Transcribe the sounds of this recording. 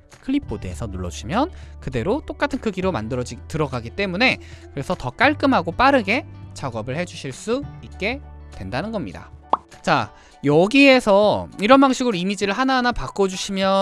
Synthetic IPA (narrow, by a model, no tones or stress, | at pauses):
kʰɯɭipʰodeḛsʰʌnoɭːʌ̰uɕʰimjʌnkɯde̞ɾot͈ok͈atʰɯnkɯɡiɾoma̰ndɯɾʌd͡ʑitɯɾʌɡaɡit͈e̞mune̞kɯɾe̞sʰʌtʌk͈aɭk͈ɯmɦaɡop͈aɾɯɡe̞t͡ɕaɡʌbɯɭhe̞d͡ʑuɕʰiɭs͈uit̚k͈e̞twe̞ndanɯnɡʌmɲḭda̰t͡ɕa̰ | jʌɡiesʰʌiɾʌnbaŋɕʰiɡɯɾoimid͡ʑiɾɯɭɦananapak͈od͡ʑuɕʰimjʌ